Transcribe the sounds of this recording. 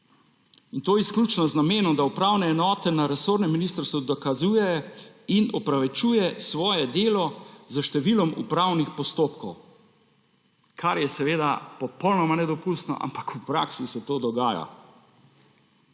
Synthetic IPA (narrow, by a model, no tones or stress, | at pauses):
int̪oːjɛisklʲjuːt͡ʃnɔznameːnɔmd̪aupɾawnɛːnɔːt̪ɛnaɾɛsoːɾnɛmːinist̪əɾst̪ʋud̪ɔkazuːjɛjinɔpɾaʋɛt͡ʃuːjɛsʋɔːjɛd̪eːlɔzəʃt̪ɛʋilɔmṵpɾawnixpɔst̪oːpkɔw | kʰaɾjɛsɛʋeːd̪apɔpɔwnɔmanɛd̪ɔpust̪nɔ̰ʔa̰mpakupɾa̰ːksisɛt̪oːd̪ɔɡaːja̰